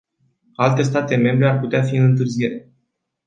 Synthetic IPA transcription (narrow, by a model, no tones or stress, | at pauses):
alt̪e̞st̪at̪e̞me̞mbɾe̞arput̪eafiɨnɨnt̪ɨrzije̞ɾe̞